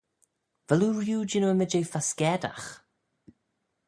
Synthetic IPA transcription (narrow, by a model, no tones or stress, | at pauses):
v̥əluːɹjuːd͡ʒɪnəwəmɪd͡ʒejfaskɛːda̰x